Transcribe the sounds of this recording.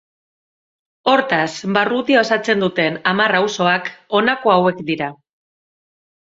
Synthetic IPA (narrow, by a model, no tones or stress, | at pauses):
o̞ɾt̪asbarut̪io̞sat͡se̞nd̪ut̪e̞namarawso̞ako̞nako̞awe̞kd̪iɾa